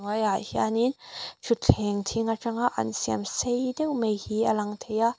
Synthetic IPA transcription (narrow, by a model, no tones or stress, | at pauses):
ŋwajajhia̰nint͡ʃʰut̪̚t͡ɬʰɛŋt̪ʰiŋaʈ͡ʂɐŋaʔɐ̰nsiamsejdɛwmejhiɐlɐŋt̪ʰeja